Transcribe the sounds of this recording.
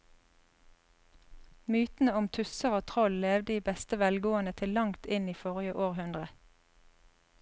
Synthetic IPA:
myːt̪n̩əʊmt̪ʰʉsəʁoːt̪ʰʁɔlleːʋd̪əiːbɛst̪əʋɛlɡoːənət̪ʰɪllɑŋt̪ɪniːfɔʁɪjəʔoːʁhʉnd̪ʁə

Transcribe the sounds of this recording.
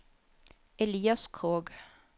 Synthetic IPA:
ɛliːɑskʰʁoːɡ

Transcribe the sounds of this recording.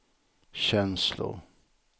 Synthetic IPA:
ɕɛnslʊ̰ɾ

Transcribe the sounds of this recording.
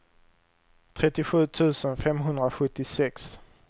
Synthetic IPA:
t̪ʰɾɛt̪ːɪɧʉ̟ːt̪ʰʉ̟ːsənfɛmɦɵnd̪ɾaɧɵt̪ːɪsɛks

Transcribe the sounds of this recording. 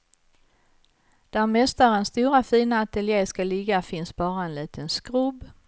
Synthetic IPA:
d̪̥æɾmɛst̪aɾənst̪uːɾafiːnaːt̪ɛljeːskalɪɡːafɪnsbɑːɾaɛnliːt̪ʰənskɾɵb

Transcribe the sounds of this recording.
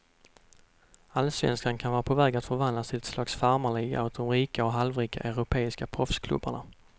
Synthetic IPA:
alsvɛ̰nskankʰanvɑːɾapʰɔvɛːɡat̪fœɾvand̪lasɪlɛt̪slɑːksfaɾmaɭiːɡa̰ʉt̪̚d̪ɔmɾiːkaɔɦalvɾiːkʰa̰ʔœɾʊpʰeːɪskapʰɾɔfskʰlɵ̰bːa̰ɳa

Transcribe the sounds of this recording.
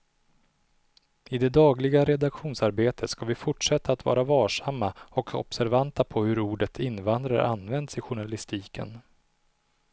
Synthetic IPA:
ɪd̪ɛd̪ɑːɡlɪɡaɾɛd̪akɧuːnsaɾbeːt̪ʰət̪skavɪfʊʈʂɛt̪ːaːt̪vɑ̰ːɾavɑːʂamːaɔkʰɔ̰psæɾvant̪apʰɔhɵɾuːɖət̪ʰɪnːvand̪ɾaɾa̰nːvɛnd̪sɪɧʊɳalɪst̪iːkʰə̰n

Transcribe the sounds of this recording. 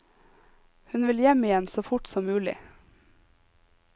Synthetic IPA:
hʉnʋɪljɛmɪjɛnsoːfʊʈsɔmmʉːlɪ̰

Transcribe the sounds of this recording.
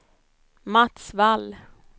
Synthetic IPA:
mat̪svalː

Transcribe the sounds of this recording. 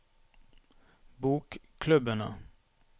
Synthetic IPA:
buːkkʰlʉbənə̰

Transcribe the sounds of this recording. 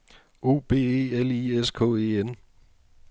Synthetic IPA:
o̝̰ːb̥e̝̰ːeːelieskʰɔ̰̽ːe̝ːen

